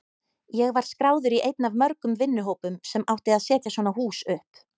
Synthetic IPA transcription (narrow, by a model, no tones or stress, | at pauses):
jɛɣvaɾ̥skɾaːwðʏɾiʔejt̪navmœɾkʏmvɪnːʏɦoːwpʏmsɛmʔawht̪ɪaðsɛːt̪jasvɔnahuːsʏhp